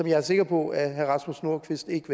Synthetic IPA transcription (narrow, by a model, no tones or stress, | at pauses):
ɒ̽mjɑ̈ɪæɐse̝ɡ̥ɐpʰɒ̽æɦæʁɑ̈smusno̝ɐ̰kʰʋisd̥e̝ɡ̥əʋ